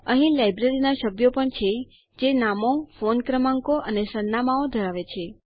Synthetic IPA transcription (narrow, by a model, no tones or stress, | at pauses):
əɦĩlajbɾeɾinaʃəbjopəɳt͡ʃʰe | d͡ʒenamofonkɾəmãŋkoʔənesənːamaod̪ʱəɾaʋet͡ʃʰe